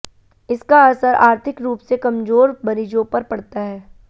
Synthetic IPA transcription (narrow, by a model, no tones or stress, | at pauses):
ɪskaɐsəɾaːɾt̪ʰɪkɾuːpsekɐmzoːɾbɐɾid͡ʒõpɐɾpɐɽt̪aɦɛː